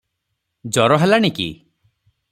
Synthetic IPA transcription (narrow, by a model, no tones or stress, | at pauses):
d͡ʒɔɾɔɦelañikḭ